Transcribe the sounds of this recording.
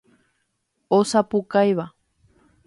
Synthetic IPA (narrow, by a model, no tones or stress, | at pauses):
osapukajβa